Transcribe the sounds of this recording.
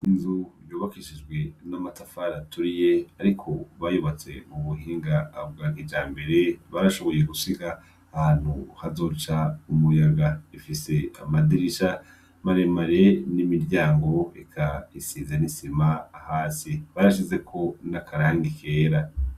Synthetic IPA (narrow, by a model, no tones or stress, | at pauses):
inzujoːβakiʃid͡ʒɡwe̞namatafaɾatuɾije̞aɾikʰo̞βajuβat͡se̞̰muβuhiːŋɡaːbɡaːkid͡ʒaːmbe̞ɾe̞βaɾaʃo̞βo̞jekusiɡaː | haːn̥huhazo̞ːt͡ʃaumujaɡaifise̞a̰madiɾiʃa | maɾe̞maɾe̞nimiɾɟaːŋɡo̞ekʰaisiːzanisimaːhaːsiβaɾaʃ̬ize̞kʰo̞nakʰaɾaːŋɡikʰe̞ːɾa